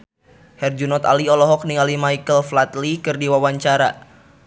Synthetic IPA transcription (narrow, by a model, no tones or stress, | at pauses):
hɛrd͡ʒunɔt̪a̰liɔlɔɦɔk̚niŋalimaikəlflat̪likɨrdiwawaɲt͡ʃaɾa